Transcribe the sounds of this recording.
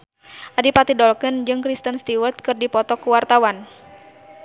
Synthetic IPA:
ʔadipat̪idɔlkɨnd͡ʒɨŋkɾist̪ənst̪iwərt̪̚kɨrdipɔt̪ɔkuwart̪awan

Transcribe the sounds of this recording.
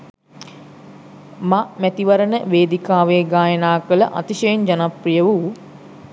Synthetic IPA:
mamæt̪iʋɐɾənəʋeːd̪ikaːʋeːɡaːjənaːkələʔa̰t̪iʃəjend͡ʒanaprijəʋu

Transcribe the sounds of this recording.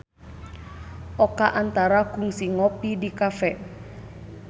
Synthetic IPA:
ʔɔkaʔant̪aɾaɡuŋsiŋɔpidikafɛ

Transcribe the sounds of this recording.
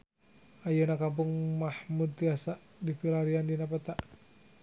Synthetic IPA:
ʔajənakamp̬uŋmahmud̪̚t̪iasa | dipilaɾiandinapət̪aʔ

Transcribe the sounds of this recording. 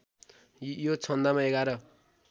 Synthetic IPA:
jot͡sʰʌnd̪amaeɡaɾʌ

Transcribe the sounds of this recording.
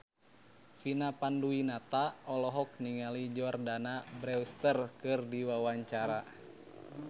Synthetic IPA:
finapanduinat̪aɔlɔɦɔk̚niŋalid͡ʒɔrdanabɾɛust̪ərkɨrdiwawaɲt͡ʃaɾa

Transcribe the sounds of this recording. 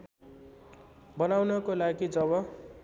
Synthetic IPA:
bʌnawnʌkolaɡid͡zʌbʌ

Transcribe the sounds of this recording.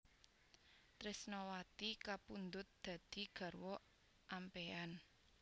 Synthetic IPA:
t̪ɾɪsnɔwat̪ikapund̪ʊt̪̚d̪̥ä̤d̪̥i̤ɡ̥ä̤rwɔ | ʔampean

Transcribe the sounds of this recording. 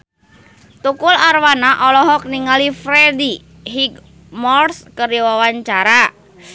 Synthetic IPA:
t̪ukʊlarwanaʔɔlɔɦɔk̚niŋalifɾedi | ɦiɡ | mɔrskəɾiwawaɲt͡ʃaɾa

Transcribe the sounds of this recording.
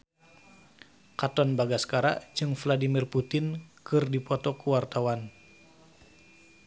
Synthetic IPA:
kat̪ɔnbaɡaskaɾa̰ʔd͡ʒɨŋfladimirput̪ɪnkɨrdipɔt̪ɔkuwart̪awan

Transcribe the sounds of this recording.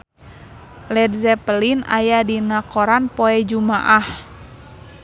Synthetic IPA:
lɛdzɛpəlina̰jadinakɔɾanpɔɛd͡ʒuma̰ʔah

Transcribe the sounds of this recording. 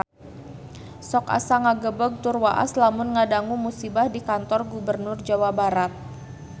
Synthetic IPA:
sɔka̰saŋaɡəbəɡ̚t̪urwaʔa̰slamʊnŋadaŋumusibahdikant̪ɔrɡubərnʊrd͡ʒawabaɾat̪̚

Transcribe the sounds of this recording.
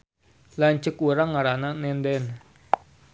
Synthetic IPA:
laɲt͡ʃəkuɾaŋːaɾananɛndɛn

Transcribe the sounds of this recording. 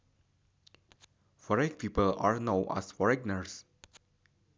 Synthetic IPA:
fɔɹɛk̚piːpəla̰ɹnaʊʔa̰sfɔɹɛɡnəɹs

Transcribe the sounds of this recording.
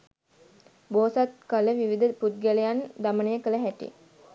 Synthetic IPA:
boːsat̪kələʋiʋid̪əput̪̚ɡæləjand̪amənəjəkələɦæʈḭ

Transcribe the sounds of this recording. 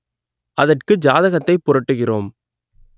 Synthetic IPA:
ʔɐðɐrkɯd͡ʒaːðɐɣɐt̪ːɐɪpːʊɾɐʈːɯɣɪroːm

